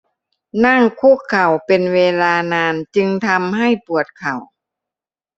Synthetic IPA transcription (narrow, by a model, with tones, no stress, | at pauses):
na˥˩ŋkʰu˧˥˩kʰːa˨˩wpe˨nweː˧laː˧naː˧nt͡ɕɯ˧ŋt̪ʰa˧mɦa˥˩jpu˨˩ət̪̚kʰa˨˩w